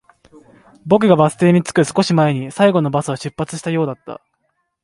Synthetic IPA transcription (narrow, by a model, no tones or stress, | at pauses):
bo̞k̬ɯ̟ɡabasɨ̥t̪e̞ːɲ̟it͡sɨ̥kɯ̟sɨ̥ko̞ɕimae̞ɲ̟isaiɡo̞no̞basɨβaɕɨpːat͡sɨ̥ɕi̥t̪ajo̞ːd̪at̪ːa̰